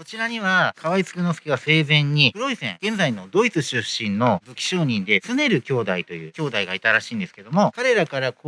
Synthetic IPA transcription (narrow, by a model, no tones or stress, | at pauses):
ko̞t͡ɕiɾaɲ̟iβakʰaβait͡sɨ̥kɯ̟nosɨ̥kʲiɡase̞ːzẽ̞ɲ̟ːipɯɾo̞isẽ̞̰ŋɡ̥ẽ̞nd͡zaino̞d̪o̞it͡sɨɕɨɕĩnːo̞bɨkʲi̥ɕo̞ːɲ̟ĩnd̪e̞t͡sɨne̞ɾɯ̟kʲo̞ːd̪ait̪o̞jɯ̟̰ːkʲo̞ːd̪aiɡait̪aɾaɕiːnd̪eske̞d̪o̞mo̞kaɾe̞ɾakaɾako